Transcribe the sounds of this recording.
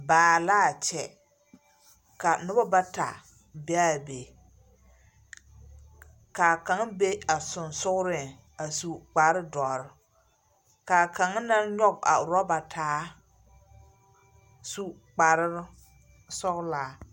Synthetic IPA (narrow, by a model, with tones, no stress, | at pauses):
baː˨laː˦˨t͡ʃɛ˨ | ka˨nʊ˦ba˦ba˦ta̰˨ | be˦a˦˨be˨ | ka˨ka˨˦ŋ˦be˦a˨sʊ˨nsʊ˦ɣʊ˦ɾɪ˨ | a˨su˨k͡pa˨ɾɪ˦dɔ˨ɾɪ˦ | ka˨ka˨ŋ˦na˦ɲɔ˦ɡa̰˨ɾɔ˦ba˨tʰaː˨˦ | su˦ | k͡pa˨ɾ | sɔ˦ɣlaː˨˦